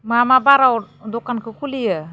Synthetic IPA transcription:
mamabaɾaw | d̪ukankʰɯkʰulijə

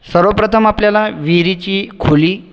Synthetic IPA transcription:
səɾəʋpɾət̪ʰəmapljalaʋiɾit͡ɕiːkʰuliː

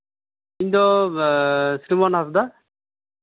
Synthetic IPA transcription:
ind̪ɔ | sɾimɔnasd̪a

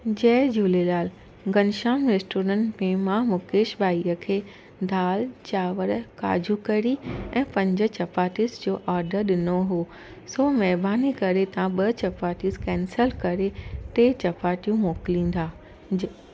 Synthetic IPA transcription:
d͡ʑɛːd͡ʑuːlelaːl | ɡɐnʃaːmɾeːsʈoːɾə̃ːɳʈmẽmãmʊkeːʃbaːiːəkʰeː | d̪ʱaːlt͡ɕaːʋəɾka̰ːd͡ʑʱukɐɾiɛ̃ːpɐ̃ɲd͡ʑə̆t͡ɕɐpaːʈisd͡ʑoːʔaːɾɖəɗɪnoɦoː | soːmɛːbaːnikɐɾet̪ɐãɓɐt͡ɕɐpaːʈiskɛːnsəlkɐɾet̪eːt͡ɕɐpaːʈijũmoːklĩːn̆d̪aː

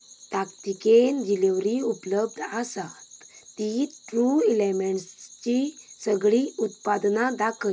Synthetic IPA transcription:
t̪akt̪ikend͡ʑileʋɾiupləb̚d̪ʱəsat̪ːiʈɾuilemeɳʈst͡ɕisəɡɭiːut̪pad̪nad̪akʰə

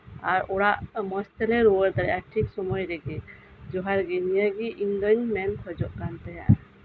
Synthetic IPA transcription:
aɾɔɽaʔmɔst̪ɛlɛɾɔwəɾd̪aɾɛʔaʈʰiksɔmɔjɾɛɡɛ | d͡ʒɔɦaɾɡɛnijəɡiʔiŋɡəɲmɛnkʰɔd͡ʒɔʔkant̪ɛɦa̰ʔ

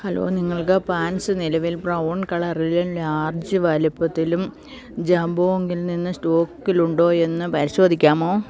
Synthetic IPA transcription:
hɐlo̞̰ːniŋːɐɭkɨpaːnsɨnilɐʋilprɐwɳkɐɭɐrillaːrd͡ʑɨʋɐlipːɐt̪ːilum | d͡ʑɐmboːeŋɡilninːɨsʈoːkːiluɳɖo̞ːe̞nːɨpɐɾiɕo̞ːd̪ʱikʲːaːmoː

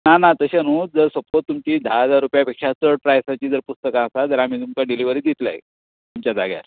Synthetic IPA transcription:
nanat̪əɕanuːd͡zəɾsopot̪ːumt͡ɕiːd̪ʱaɦəd͡zaɾːupjapekʂat͡səɽ̚pɾajsat͡ɕiːd͡zəɾpust̪əkãəsad͡z̪əɾam̤iːt̪umkaɖiliʋəɾiːd̪it̪la̰j | t̪umt͡ɕjad͡za̰ɡja̰ɾ

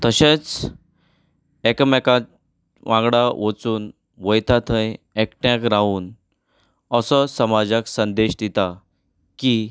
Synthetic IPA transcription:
t̪əɕẽt͡s | ekəmeka | ʋãŋɡɽaʋət͡suːn | ʋəjt̪ʰat̪ʰə̃jekʈjãkɾauːn | əsɔsəmad͡zaksənd̪eɕd̪it̪a | ki

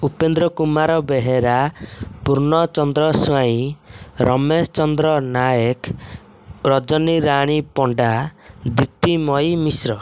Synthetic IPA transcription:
upend̪ɾɔkumaɾɔbeɦeɾapuɾɳɔt͡ʃɔnd̪ɾɔsuaĩɾɔmest͡ʃɔnd̪ɾɔnajek | ɾɔd͡ʒɔniɾaɽ̃ipɔɳɖad̪ip̚t̪imɔjmisɾɔ

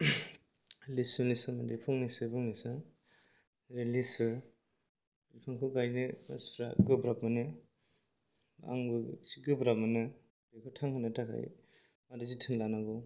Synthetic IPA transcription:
lisɯnisɯmadipʰɔŋnisɯbɯŋnisɯ | ɾelisɯ | bipʰaŋkʰɯɡajnea̰sɾaɡɯbɾapmanɯ | a̰ŋbɯsiɡɯbɾap̚manɯ | dekʰɔtʰaŋkʰɯnɯtakʰa̰j | madɯzitʰɯŋlanaɡɔ

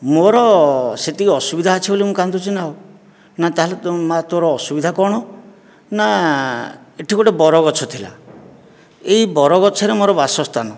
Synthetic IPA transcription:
moɾɔset̪ikɔsubid̪ʱaːt͡ʃʰibolimũkant̪ut͡ʃʰinaw | nat̪aɦalet̪mat̪oɾɔːsubid̪ʱakɔɽ̃ɔ | na | eʈʰikɔʈebɔɾɔɡɔt͡ʃʰɔt̪ʰila̰ | eibɔɾɔɡɔt͡ʃʰɔɾemoɾɔbasɔst̪ʰanɔ

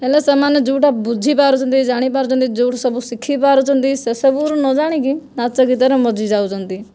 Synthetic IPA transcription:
ɛlesəmaned͡ʒuːʈabud͡ʒʱipaːɾut͡ʃʰənt̪id͡ʒaːɽ̃ip̬aːɾut͡ʃə̃nt̪id͡ʒuːʈʰsəbusɪkʰːipaːɾut͡ʃʰənt̪isesəbuɾũnɔd͡ʒaːɽ̃ikinat͡ʃəɡit̪əɾɛ̃mɔd͡ʒʱid͡ʒaːut͡ʃənt̪i

